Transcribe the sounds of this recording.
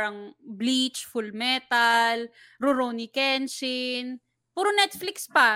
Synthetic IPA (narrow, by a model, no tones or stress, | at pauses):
ɾɐŋblit͡ʃfʊlmɛt̪ɐl | ɾʊɾonikɛnsɪn | puːɾonɛt̪̚flɪkspɐ